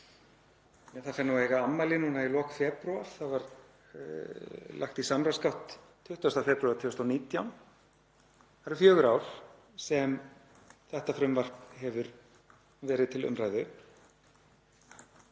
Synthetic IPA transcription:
ɛθafɛnːuweːjɣaamːajlɪnuːnailɔːkfɛːpɾuaɾ̥θavaɾ | la̰xt̪isamɾaskawht̪ʰː | ʏht̪ast̪afɛːpɾʏaɾt̪ʰʏːst̪awniːt̪jawn | θaɾɛɾfjœːɣʏɾaːwɾ̥ | sɛm | θɛht̪afɾʏmvar̥pnhɛvʏɾ | vɛːɾɪðt̪ʰɪlʏ̰mɾajðʏ

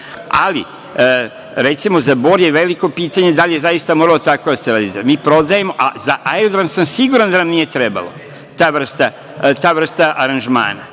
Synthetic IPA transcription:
a̰lḭ | ɾe̞t̪simo̞zabo̞ːɾje̞ʋe̞liko̞piːt̪aɲe̞d̪alije̞zajist̪amoːɾalo̞t̪ako̞d̪aseɾaːd̪it̪emiːpɾo̞d̪aje̞mo̞ʔazaʔaeod̪ɾamsamsiɡuːɾand̪anamnije̞t̪ɾe̞ba̰lo̞̰ | t̪aːʋr̩st̪a | t̪aːʋr̩st̪aʔaɾanʒma̰ːna̰

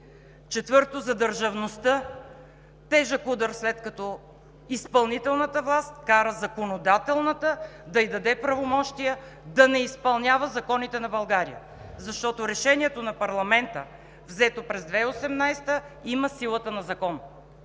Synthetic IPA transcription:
t͡ʃɛt̪vɤɾt̪ozɐd̪əɾʒɐvnost̪ə | t̪ɛʒəkud̪əɾslɛt̪kɐt̪ɔ | ispɐlˠnit̪ɛlˠnət̪əvlˠast̪kaɾəzɐkonod̪at̪ɛlˠnət̪əd̪ɐid̪ɐd̪ɛpɾɐvomɔʃt̪ijə | d̪ɐnɛispɐlˠnʲavəzɐkɔnit̪ɛnɐbɐlˠɡaɾḭjə̰ | zɐʃt̪ɔt̪oɾɛʃɛnʲiɛt̪onɐpɐɾlˠɐmɛnt̪ə | vzɛt̪opɾɛzd̪vɛosɛmnajst̪əiməsilˠət̪ənɐzɐkɔn

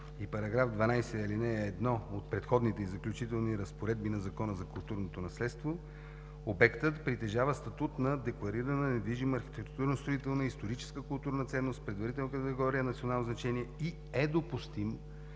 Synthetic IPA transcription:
ipɐɾɐɡɾafd̪vɐnajsɛilinɛːd̪nɔot̪̚pɾɛt̪xɔd̪nit̪ɛizɐklʲut͡ʃit̪ɛlˠniɾɐspoɾɛd̪̚binɐzɐkɔnəzɐkʊlˠt̪uɾnot̪onɐslɛt̪st̪vo | obɛkt̪ət̪pɾit̪ɛʒavəst̪ɐt̪ut̪nɐd̪ɛklˠɐɾiɾɐnənɛd̪viʒimːɾxi̥t̪ɛkt̪uɾnost̪ɾoit̪ɛlˠnəist̪oɾit͡ʃɛ̥skəkʊlˠt̪uɾnət̪sɛnːost̪̚pɾɛd̪vɐɾit̪ɛlˠnəkət̪ɛɡɔɾijənɐt̪sionalˠnoznɐt͡ʃɛniɛi | ɛd̪opust̪im

